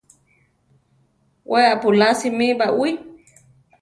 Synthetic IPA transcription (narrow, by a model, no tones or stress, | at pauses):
wʔeapulasimibaʔwi